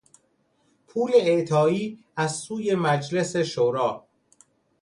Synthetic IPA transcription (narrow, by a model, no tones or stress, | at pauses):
pʰuːle̞eʔt̪ʰɒːiː | æzsuːje̞mæd͡ʒle̞se̞ʃoɾɒː